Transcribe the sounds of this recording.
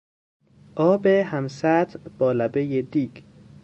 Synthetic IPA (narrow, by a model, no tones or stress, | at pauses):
ʔɒːbehæmsæt̪b̥ɒːlæbejed̪iːɡ